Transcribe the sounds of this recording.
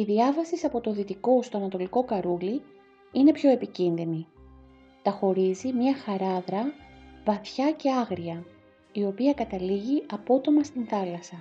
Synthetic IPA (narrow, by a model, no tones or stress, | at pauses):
iðiɐvɐsisɐpo̞t̪o̞ðit̪iko̞st̪o̞ɐnɐt̪o̞liko̞kɐɾuli | ine̞pço̞e̞picinðini | t̪ɐxo̞ɾizimɲɐxɐɾɐðɾɐvɐθçɐce̞ɐɣɾiɐ | io̞piɐkɐt̪ɐliʝiɐpo̞t̪o̞mɐst̪inθɐlɐsɐ